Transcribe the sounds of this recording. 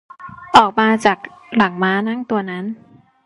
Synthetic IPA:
ʔɔː˨˩k̚maː˧t͡ɕaː˨˩k̚la˩˦ŋmaː˦˥na˦˥˩ŋt̪u˧ɐna˦˥n

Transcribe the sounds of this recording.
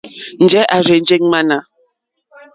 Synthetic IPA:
n̩˨d͡ʒɛ˦ʔa˨ɾe˨n˦d͡ʒe˦ŋ˦ma˦na˨

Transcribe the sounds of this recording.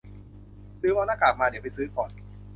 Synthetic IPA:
dɯː˧waː˧naː˥˩kaː˨˩k̚maː˧di˦˩˨pa˧jsɯː˦˥kɔː˨˩n

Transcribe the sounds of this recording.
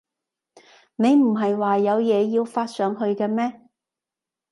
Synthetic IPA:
ne˨˧jm̩˨˩ɦɐ˨jwaː˨jɐ˨˧wjɛː˨˧jiː˧wfaː˧t̚sœː˨˥ŋɦɵ˧ɥkɛː˧mɛː˥

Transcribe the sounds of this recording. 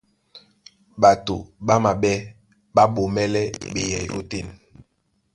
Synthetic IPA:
ɓa˨to̰˨ɓa˦ma˨ɓɛ˦ | ɓa˦ɓo˨mɛ˦lɛ˦ɓḛ˨jɛ̰˨jo̰˦te˦˨n

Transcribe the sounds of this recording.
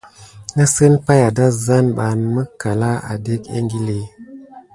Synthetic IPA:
na˦sə˦npa˦ja˨da˦za˦nɓa˨nmə˦ka˨la˦a̰˨de˦kḛ˦ŋɡi˦le˦

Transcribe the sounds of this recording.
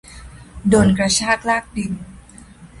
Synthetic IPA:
doː˧˩nkɾa˧t͡ɕʰaː˥˩k̚laː˥˩k̚di˧˩n

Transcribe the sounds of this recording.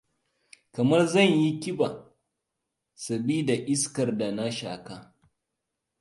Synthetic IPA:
kɐ˨mɐ˦rzɐ˦˨ɲji˦kʲɪ˦ba˨ | sɐ˨bi˦da˨ʔɪ˦skɐ˨rda˨na˦ʃa̰ː˨kaː˦

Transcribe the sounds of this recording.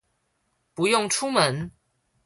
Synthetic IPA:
pu˨˦jʊ˥˨ŋʈ͡ʂʰu˥˦mə˨˦n

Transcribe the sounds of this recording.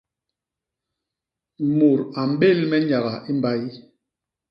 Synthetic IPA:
mo˨ɾa˨m̩˦ɓe˦˨lmɛ˦ɲa˨ɣa˨ʔi˦mba˦i˦

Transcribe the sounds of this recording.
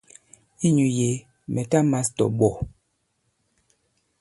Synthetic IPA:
i˦ɲu˨je˨˦ | mɛ˨ta˦ma˦stɔ̰˨ɓɔ˨

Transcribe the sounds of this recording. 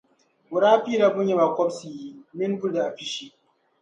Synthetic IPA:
wʊ˨ɾaː˦ɸi˦ɾa˦bʊ˦ɲji˦ma˨kʷɔ˦bsi˨ji˦mɪ˦n˦bʊ˦ɾda˨ʔa˨ɸɪ˦ʃi˦

